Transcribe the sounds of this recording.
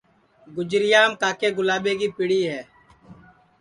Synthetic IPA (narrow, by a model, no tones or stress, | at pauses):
ɡʊd͡ʒɾɪjaːmkaːkeːɡʊlaːɓeːkiːpɪɽiːɦɛː